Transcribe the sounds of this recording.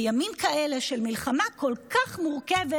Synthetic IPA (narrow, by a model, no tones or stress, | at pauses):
jamimkaele̞ʃelmilχamako̞lkaχmuʁkeve